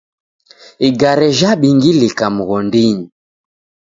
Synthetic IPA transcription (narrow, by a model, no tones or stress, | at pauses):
iɡaɾɛʒaɓiŋɡilikamuɣɔndiɲi